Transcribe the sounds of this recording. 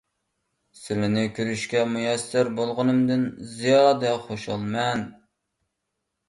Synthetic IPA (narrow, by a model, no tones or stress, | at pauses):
sɪlɪnɪkʲʰyɾyʃkʲɛmujɛsɪɾbolˠʁənɨmd̪ɪnzijɑːd̪ɛχoʃɑlˠmɛn